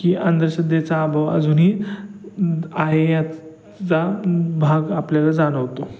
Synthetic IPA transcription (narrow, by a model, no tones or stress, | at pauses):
kiːʔənd̪ɾəɕəd̪jat͡saːbʱaʋəd͡zuːnɦiː | aɦeja | t͡sabʱaɡapljalad͡zaɽəʋt̪o